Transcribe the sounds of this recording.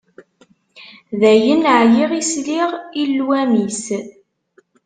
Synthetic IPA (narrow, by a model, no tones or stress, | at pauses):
ðæjənʕjiʁisliʁilːwæmis